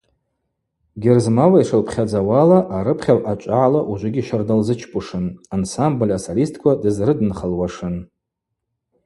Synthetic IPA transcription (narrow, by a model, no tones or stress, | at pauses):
ɡʲɪrzmawaiʂɨlpʰχʲad͡zawalaʔaɾɨpʰχʲawat͡ʃʷʼaʕalaʔuʒʷʊɡʲiʃardalzɨt͡ʃʰpʼʊʂɨnansamblʲasalistʼʰkʷʰadɨzrɨdɨnχəlwaʂɨn